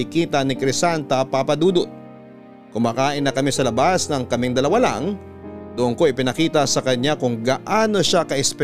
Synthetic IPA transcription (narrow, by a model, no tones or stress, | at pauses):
ikiːt̪ɐnɪkɾɪsant̪ɐpapɐd̪uːd̪o | kʊmaːkaːʔɪnːɐkɐmɪsɐlɐbasnɐŋkɐmɪŋd̪ɐlɐwala̰ŋ | d̪ʊʔonko̞ʔɪpɪnɐkiːt̪ɐsɐkɐɲakʊŋɡaʔaːno̞ʃakɐʔɛspɛ